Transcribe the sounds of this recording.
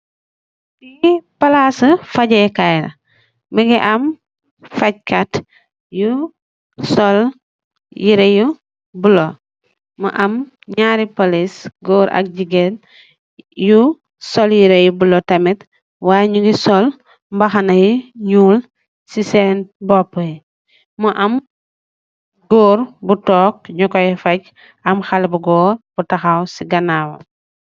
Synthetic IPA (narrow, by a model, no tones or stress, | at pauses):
dipalasəfaɟɐkajlɐ̰ | məɡiʔɐm | faɟ̚kat | ju | sɔl | jiɾeju | bulo | mə̰ʔɐm | ɲaɾipolisɡɔːɾʔɐ̰k̚ɟiɡen | ju | sɔljiɾejubulɔtɐmɛt | waːjɲuɡisɔl | mbɐxɐnɐjiɲuːl | sisɛnbɔpːəi | muʔɐm | ɡɔːɾbutɔːk̚ɲukɔjifɐɟ | ɐmxɐlbuɡɔːɾb̥utɐxawsiɡɐnaːwɐ̰